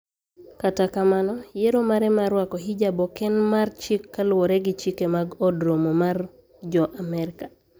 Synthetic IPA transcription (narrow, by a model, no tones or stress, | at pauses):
katakamanɔjeɾomaɾɛmaɾwakɔɦid͡ʒabɔkɛnmart͡ʃikːalwoɾeɡɪt͡ʃikemaɡɔdɾomomar | d͡ʒɔʔamɛɾka